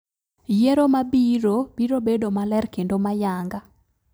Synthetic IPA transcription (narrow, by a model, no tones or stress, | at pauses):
jeɾomabiɾobiɾobedomalɛrkendomajaŋɡa